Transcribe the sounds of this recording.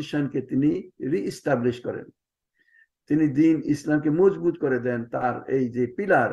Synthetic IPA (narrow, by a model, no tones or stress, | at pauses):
iʃanket̪iniɾiʔːsʈabliʃkɔɾḛn | t̪inid̪inislamkemod͡ʒbut̪kɔɾed̪ɛnt̪aɾḛjd͡ʒepilaɾ